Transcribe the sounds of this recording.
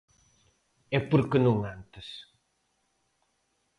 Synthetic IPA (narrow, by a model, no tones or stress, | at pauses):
ɛpoɾkɪnũŋãnt̪ɪs